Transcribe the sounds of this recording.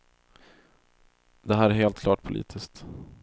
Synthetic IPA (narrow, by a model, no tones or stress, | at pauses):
d̪ɛɦæːɾæɾheːlt̪̚kʰlɑːʈpʰʊlʔḭːt̪ʰɪskt̪